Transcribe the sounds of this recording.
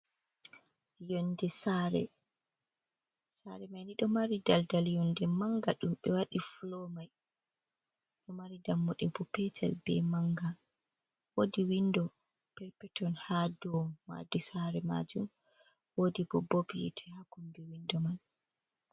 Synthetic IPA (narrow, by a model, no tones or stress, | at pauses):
jɔndɛsaɾɛ̰ | sa̰ɾɛmajniɗɔmaɾidaldaljɔndɛmaŋɡaɗumɓɛwaɗifulɔmaj | ɗɔmaɾidamːɔɗɛbɔpɛtʰɛ̰lbɛ̰maŋɡa | wodiwindɔ | pɛɾpɛtɔnhadɔmːa̰disaɾɛma̰d͡ʒum | wodibɔbɔbiḭtʰɛhakɔmbɛwindɔman